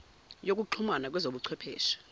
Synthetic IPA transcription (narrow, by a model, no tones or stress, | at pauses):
jok̬ʼuǃʰumanak̬wɛzoɓuǀʰwɛpʰɛːʃḁ